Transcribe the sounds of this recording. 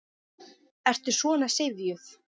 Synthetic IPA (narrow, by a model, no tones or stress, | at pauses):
ɛr̥t̪ʏsvɔːnasejvðjʏθ